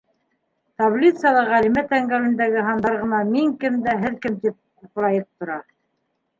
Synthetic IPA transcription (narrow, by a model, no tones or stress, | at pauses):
t̪ablʲit̪sjɑlˠɑʁælimæt̪æŋɡæwɘ̆nd̪æɡɘɦɑnd̪ɑɾʁɤ̆nɑmiŋkɘmd̪æɦɘðkɘmt̪ip̚ | proɑjɤp̚t̪ŏɾɑ